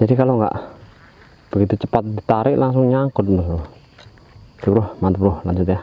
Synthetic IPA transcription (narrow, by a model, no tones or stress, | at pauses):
d͡ʒadikaloŋɡa̰ʔ | b̥əɡit̪ut͡ʃəpat̪̚dit̪aɾɪʔlaŋsʊŋɲaŋkʊt̪̚əsɾʊh | t̪əɾʊhmant̪əpɾʊhlaɲd͡ʒut̪ja